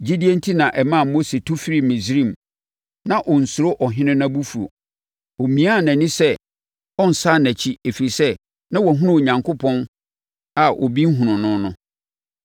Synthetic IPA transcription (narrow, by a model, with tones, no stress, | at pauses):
d͡ʑi˦di˦e˦n̩˦tʰi˦nã˨ʔɛ˨mã˦˨mo˦se˨tʰu˦fi˦ɾi˦˨mĩ˨sɾĩ˦˨m | nã˦ʔɔ˨n̩˨sʊ˨ɾo˦ʔɔ˨ɦɪ̃˦nɪ̃˦nã˦bu˦fu˨ɾo̰˨ | ɔ˨mĩ˨˦a˦˨næ̃˨nɪ̃˦sɛ˦˨ | ɔ˦n̩˨sa˦næ̃˨t͡ɕʰi˦e˨fi˨ɾi˨sɛ˦ | nã˦wɔ˨ɦʊ̃˦nʊ̃˦˨ɲã˨ŋkʰʊ˦pʰɔ̃˦n | a˨ʔɔ̰˨bi˦ŋ̩˦ɦũ˨nʊ̃˨nʊ̃˦nʊ̃˦